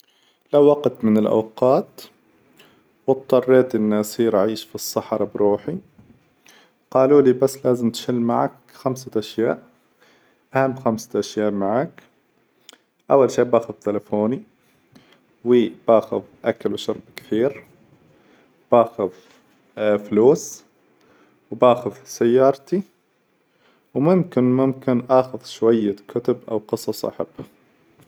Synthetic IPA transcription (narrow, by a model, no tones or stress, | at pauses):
lawːɑqt̪mɪnɪlʔa̰wqɑːt̪ | wɨt̪ˤːɑrˤːeːt̪ʔɪnːasiːɾʔaʕiːʃfisˤːɑħɾˤɑbɾuːħi | qɑːluːlibasːlaːzɪmt̪ʃɪlːma̰ʕa̰k | xamsaʔaʃjaːʔ | ʔahamːxamsḁʔaʃjaːʔmaʕak | ʔawːalʃeːʔbaːxʊðˤt̪ɪlafoːni | wiːb̥aːxɪðʔakalwʃʊɾˤbkɪ̥θiːɾ | b̥aːxɪð | fluːs | wbaːxʊðˤsajːɑːɾˤt̪i | wmʊmkɪnmʊmkɪnʔaːxɪðʃwajːakʰʊt̪ʊbʔa̰wqɨsˤɑsˤʔa̰ħa̰bːa